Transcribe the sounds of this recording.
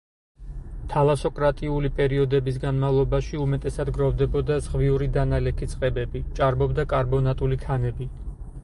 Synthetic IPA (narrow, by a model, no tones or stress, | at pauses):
t̪ʰalˠasɔkʼɾat̪ʼiulipʼɛɾiɔd̪ɛbis̬ɡanmavlˠɔbaʃiumɛt̪ʼɛsad̪ɡɾɔvd̪ɛbɔd̪azʁviuɾid̪analɛkʰit̪sʼqʼɛbɛbit͡ʃʼaɾbɔbd̪akʼaɾbɔnat̪ʼulikʰanɛbi